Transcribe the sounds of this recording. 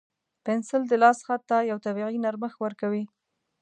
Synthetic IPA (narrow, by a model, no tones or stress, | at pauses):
pɪnsɪld̪əlɑsxat̪ːajawt̪abiʁinaɾməxwəɾkawi